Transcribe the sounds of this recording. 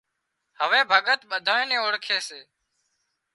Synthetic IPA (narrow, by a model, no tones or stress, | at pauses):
həʋẽːbʱəɠət̪ɓəd̪ʱaːẽːnẽːoːɽkʰeːseː